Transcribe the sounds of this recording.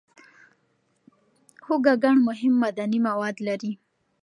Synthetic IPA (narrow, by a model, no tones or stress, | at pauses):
hoɡaɡaɳmʊɦɪmːad̪animawɑd̪laɾi